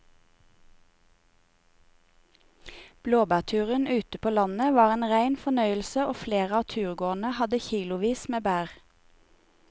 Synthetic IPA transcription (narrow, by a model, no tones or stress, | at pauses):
b̥loːbæːt̪ʰʉːʁənʉːt̪əpʰoːlɑnəʋɑːʁeːnʁæɪnfɔnœʏəl̩səoːfleːʁəɑːt̪ʰʉːʁɡoːʁn̩əhɑd̪əçiːlʊʋiːsmeːbæːʁ